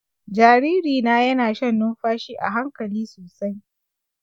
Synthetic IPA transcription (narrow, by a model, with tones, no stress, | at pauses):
d͡ʒaː˨ɾiː˦ɾiː˨naː˦jɐ˦naː˨ʃɐ˦nːʊ˦mɸaː˦ʃiː˦ʔa̰˨ɦa˦ŋkɐ˨liː˦soː˨sa˦j